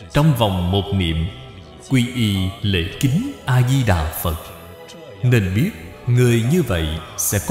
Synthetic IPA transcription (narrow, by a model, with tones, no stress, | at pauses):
t͡ɕɔ˧wŋ͡mva˨˩wŋ͡mmo˨˩t̚nḭ˧˨əm | kwi˧ʔi˧˩lḛ˧˥kï˨˦ŋ̟ʔaː˧zi˧ɗaː˨˩fə˨˩t̚ | ne˧nɓi˦˥ət̚ | ŋɨ˨˩əjɲɨ˧və̰˧˨jsɛ̰˧˥kɔ